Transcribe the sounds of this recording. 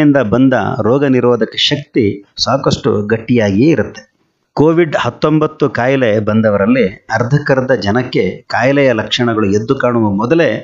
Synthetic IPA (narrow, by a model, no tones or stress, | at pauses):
ind̪ɐbɐnd̪ɐ̰ɾɔːɡɐniɾʋɐːd̪ʱɐkɐʃɐk̚t̪isaːkɐʂʈṵɡɐʈːijaːɡieiɾut̪ːe̥ | koːʋiɖhɐt̪ːo̞mbɐt̪ːukaːjɐlebɐnd̪ɐʋɐɾɐlːiɐɾd̪ʱɐkɐɾɐd̪ɐd͡ʒɐnɐkːe̞kaːjɐlɛjɐlɐkʂɐɳɐɡɐɭue̞d̪ːukaːɳuʋɐmɔd̪ɐle